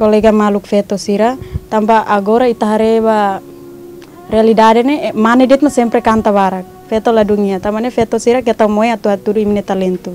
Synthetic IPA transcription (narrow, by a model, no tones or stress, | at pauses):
kɔlɛɡamaluk̚fɛt̪ɔsiɾat̪ampaʔaɡoɾait̪aɦaɾeba | rɛalidadɛnemanɛdɛt̪̚masɛmpɾɛkant̪aβaɾak̚fɛt̪oladuŋiat̪amanefɛt̪ɔsiɾakɛt̪aumoeat̪uɦat̪uduiminet̪alɛnt̪u